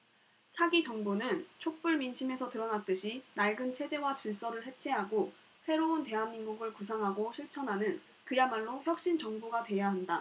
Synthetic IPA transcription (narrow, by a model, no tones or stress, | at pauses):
t͡ɕʰaɡit͡ɕʌŋbunɯnt͡ɕʰok̚p͈uɭminɕʰime̞sʰʌtɯɾʌnat͈ɯɕʰinaɭɡɯnt͡ɕʰe̞d͡ʑe̞wat͡ɕiɭs͈ʌɾɯɭɦe̞t͡ɕʰe̞ɦaɡo | sʰe̞ɾounte̞ɦanmːiŋɡuɡɯɭkusʰaŋɦaɡoɕʰiɭt͡ɕʰʌnɦanɯn | kɯjamaɭːoçjʌk̚ɕ͈int͡ɕʌŋbuɡatwe̞jaɦanda